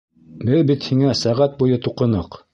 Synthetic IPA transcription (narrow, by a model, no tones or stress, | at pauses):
bɘðbit̪hiŋæsæʁæt̪̚bujɤt̪uqɤ̆nɤq